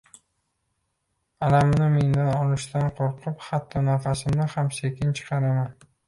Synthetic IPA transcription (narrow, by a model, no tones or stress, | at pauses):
alamnɪme̞nd̪anɒlˠɪʃt̪anqʰoɾqʰʊphat̪ʰːɒnaɾfasɪmnɪhamse̞kʲɪnt͡ʃʰɨ̥qʰɑɾaman